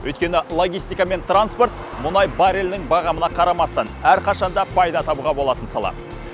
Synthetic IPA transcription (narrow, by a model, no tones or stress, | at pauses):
wʔɵ̰jt̪kʲe̞nɪlˠo̞ɡʲijst̪ijkɑme̞nt̪ranspo̞ɾt̪ | mʊnɑjbɑɾelnɪŋbɑʁɑmənɑqʰɑɾɑmɑst̪ɑnæɾqɑʃɑnd̪ɑpʰɑjd̪ɑt̪ʰɑbuʁɑbo̞lˠɑt̪ənsɑlˠɑ̰